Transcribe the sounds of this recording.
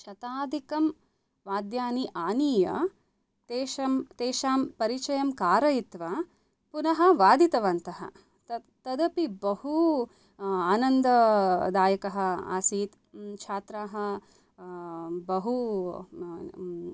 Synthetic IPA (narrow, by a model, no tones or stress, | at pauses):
ʃɐt̪aːd̪ʱikɐm | ʋaːd̪jaːniʔaːniːjɐ̰ | t̪eːʃɐmt̪eːʃaːmpɐɾit͡ʃɐjɐmkaːɾɐjit̪ʋa | punɐɦɐʋaːd̪it̪ɐʋɐnt̪ɐɦɐ̰ | t̪ɐ | t̪ɐd̪ɐpibɐhu | aːnɐnd̪ɐd̪aːjɐkɐɦɐ̆a̰ːsiːt̪ | t͡ʃʰaːt̪ɾaːɦɐ̆ | bɐɦu